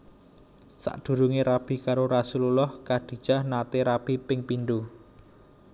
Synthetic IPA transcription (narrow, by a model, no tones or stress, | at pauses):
sa̰ʔɖ̪̥ṳɾuŋeɾab̥i̤kaɾoɾasululɔhkaɖ̥i̤̥d͡ʒ̥a̤hnat̪eɾab̥ipɪŋpinɖ̪u